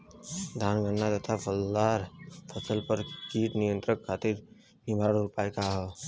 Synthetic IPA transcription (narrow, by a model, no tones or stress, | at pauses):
d̪ʱaːnɡəɳːat̪ət̪ʰapʰəlːaːɾpʰəsəlpəɾkiːʈnijə̃nt̪ɾəkʰːaːt̪ɪɾ | nɪbʱaːɽɾʊpaːjkaɦo